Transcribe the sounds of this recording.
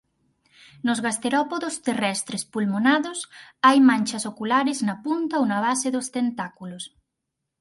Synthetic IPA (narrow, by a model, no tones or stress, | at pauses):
nozɣast̪eɾɔpoðost̪erɛst̪ɾespulmonaðosajmãnʲt͡ʃɐsokulaɾeznapunt̪aownɐβ̞aseðost̪ent̪akulos